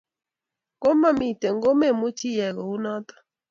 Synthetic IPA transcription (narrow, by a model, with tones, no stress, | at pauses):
ko˦ma˦mi˨tɛ˨ŋɡo˦mɛ˦˨mu˦t͡ʃi˦jɛ˨ɣɔ˨u˦na˦t̪ḁ˦